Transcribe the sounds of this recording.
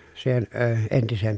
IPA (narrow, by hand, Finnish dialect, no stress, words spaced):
siːhen əː entisem